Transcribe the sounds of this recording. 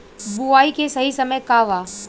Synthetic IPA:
buaːikʰesɐɦisɐməjkaːʋaː

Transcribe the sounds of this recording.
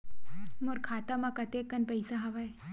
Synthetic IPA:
moɾkʰaːt̪amakɐt̪ekːɐnpɐɪsaɦɐʋaj

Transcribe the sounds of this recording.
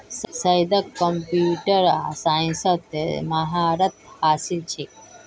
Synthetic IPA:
ssɐjd̪əkːəmpuʈəɾasaĩnsət̪emɐɦaɾɐt̪̚haːsilt͡ʃʰe

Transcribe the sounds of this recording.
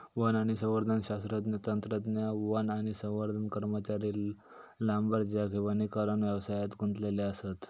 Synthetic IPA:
ʋənaɽ̃isə̃w̃ʋəɾd̪ʱənɕast̪ɾat̪net̪ənt̪ɾət̪njaʋənaɽ̃isə̃w̃ʋəɾd̪ʱənkəɾmət͡ɕaɾiːl | lãmbəɾd͡ʑjakĩʋanikaɾəɳʋjaʋsajat̪ɡʱunt̪leleəset̪

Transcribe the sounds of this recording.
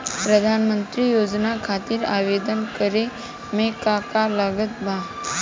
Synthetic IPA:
pɾəd̪ʱanmə̃nt̪ɾijoːd͡ʒnakʰat̪iɾaʋed̪ənkəɾe | mekakaləɡət̪bʱa

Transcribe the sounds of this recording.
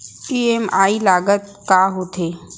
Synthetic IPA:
iːemaːilaːɡət̪̚ | kaːɦot̪ʰeː

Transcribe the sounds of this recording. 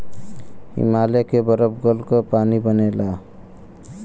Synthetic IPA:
ḭmalekebʌɾəpɡʌlkɔpanibʌnela

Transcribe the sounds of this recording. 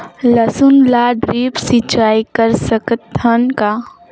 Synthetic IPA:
lɐsʊnlaːɖɾiːpsit͡ʃaːikəɾsəkt̪ʰːənka

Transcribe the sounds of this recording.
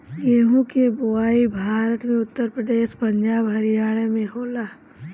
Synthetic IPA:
ɡeːɦũkebʊaːibʱaːɾət̪mẽʊt̪ːəɾpɾəd̪eːʃpə̃ɲd͡ʒaːbɦɐɾijaːɽ̃emẽɦoːlaː

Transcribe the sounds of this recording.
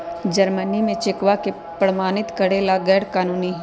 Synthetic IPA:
d͡ʒəɾmənimẽt͡ʃɪkʋake | pɾəmaːnɪt̪kɐɽeːlaɡɛːɽkaːnuːni

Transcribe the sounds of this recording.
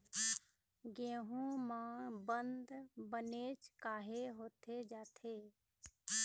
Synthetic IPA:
ɡẽːɦũmãːbənd̪bəneːt͡ʃkaːɦeɦoːt̪ʰed͡ʒaːt̪ʰeː

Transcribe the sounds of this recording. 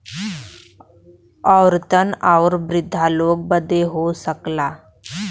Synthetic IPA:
əwɾt̪ənaʋɾbɾɪd̪ʱːalok̚bəd̪ʱeɦosəkla

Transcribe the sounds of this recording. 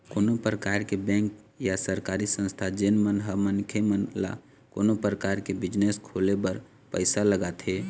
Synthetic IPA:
koːnopɾəkaːɾkebɛ̃ːŋk | jasəɾkaɾisə̃nst̪ʰad͡ʒenmənɦəmənkʰemənla̰ | koːnopɾəkaːɾkebɪd͡ʒneskʰoːlebəɾ | pəɪsaləɡat̪ʰe

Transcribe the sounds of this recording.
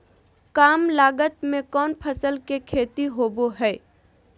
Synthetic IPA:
kaːmlaːɡət̪mẽkɔːnpʰəsəlkekʰeːt̪iɦoːboɦɛː

